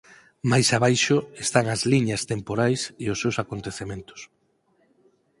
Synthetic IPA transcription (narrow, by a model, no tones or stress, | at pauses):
majsaβajʃʊest̪aŋɐzliɲɐst̪empoɾajseʊsːewsakont̪eθemẽnt̪ʊ̥s